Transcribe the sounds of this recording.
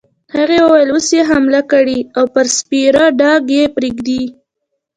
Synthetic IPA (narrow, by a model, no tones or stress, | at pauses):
haɣewəwajəlosjeɦamlakaɽiawpəɾspiɾaɖɑɡjepɾiɡd̪i